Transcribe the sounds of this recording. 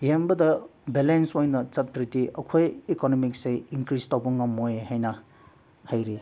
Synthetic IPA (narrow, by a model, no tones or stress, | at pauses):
jembɐdɐbelensojnɐt͡ʃɐtːɾitiʔɐkʰojikonomik̚sejiŋkɾistawbɐŋɐmojhajnɐ | hajɾi